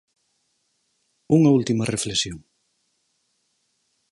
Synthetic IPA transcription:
uŋɐult̪imɐreflesjoŋ

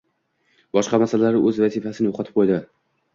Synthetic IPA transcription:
bɒʃqɑmasalalaɾɪʔɵzvazifasɪnɪjoqʰɑt̪ʰɪ̥p̚qʰojd̪ɪ

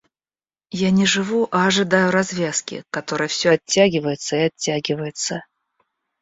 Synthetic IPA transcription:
janʲɪʐɨvuʔɐɐʐɨd̪ajʊɾɐzvʲaskʲɪ̰kɐt̪o̞ɾɨjəfsʲɵɐtʲːaɡʲɪvəjɪt̪səɪɐtʲːaɡʲɪvəjɪt̪sə

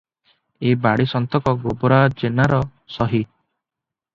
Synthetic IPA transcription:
ebaɽisɔnt̪ɔkɔɡobɔɾad͡ʒenaɾɔsɔɦi

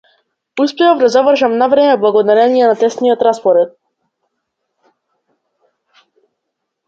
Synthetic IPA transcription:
uspɛavd̪azavr̩ʒamnavɾɛmɛblˠaɡɔd̪aɾɛnijɛnat̪ɛst̪niɔt̪ɾaspɔɾɛt̪̚

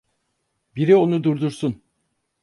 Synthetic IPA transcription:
biɾio̞nud̪uɾd̪uɾsun

